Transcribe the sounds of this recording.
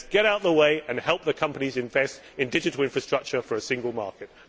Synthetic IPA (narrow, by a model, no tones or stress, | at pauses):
ɡ̥ɛɾaʊʔ̪̚ðəweɪʔɨ̃nhɛlˠp̚ðəkʰʌ̃mpənizɨ̃ɱvɛstɨ̃ndɪd͡ʒɨtl̩ˠɪ̃ɱfɹəstɹ̥ʌk̚t͡ʃə˞fə˞ɨsɪ̃ŋɡəlˠmɑ̰ɹˑkɪt̚